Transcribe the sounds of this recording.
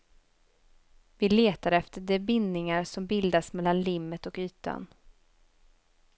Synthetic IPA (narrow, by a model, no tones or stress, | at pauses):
vɪleːt̪aɾɛft̪əɖɛbɪnːɪŋaɾsɔmbɪld̪asmɛlːanlɪmːət̪ɔkyːt̪a̰n